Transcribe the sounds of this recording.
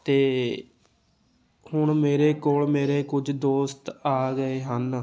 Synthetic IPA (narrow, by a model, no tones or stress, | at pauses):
t̪eː | hʊɳmeːɾeːkoːlmeːɾeːkʊd͡ʒd̪oːst̪aːɡəeːɦən